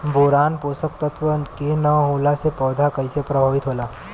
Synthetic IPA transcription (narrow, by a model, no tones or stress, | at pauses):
boɾaːnpoːsək̚t̪ət̪ʋəkinəɦolasepəːd̪ʱakəisepɾəbʱaːʋɪt̪ɦoːlaː